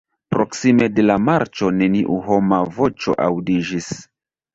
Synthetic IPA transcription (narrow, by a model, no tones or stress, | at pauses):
pɾo̞ksime̞de̞lamaɾt͡ʃo̞ne̞niʔuɦo̞mavo̞t͡ʃo̞̰ʔawdid͡ʒis